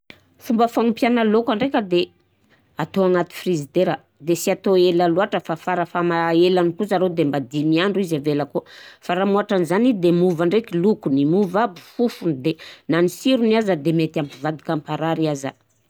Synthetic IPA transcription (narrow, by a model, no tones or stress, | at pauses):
fumbəfaŋumpjanalokaɳɖ͡ʐekʲəd̪e | at̪oaŋat̪i̥frizid̪eɾa | d̪esiat̪oelaluaʈ͡ʂəfafaɾəfamaelanikut͡saɾod̪embad̪imiaɳɖ͡ʐuizavelakufaɾamuaʈ͡ʂanizanid̪emuvaɳɖ͡ʐekilukunimuvabu̥fufund̪enanisiɾuniazad̪emet̪ampivad̪i̥kampaɾaɾaza̰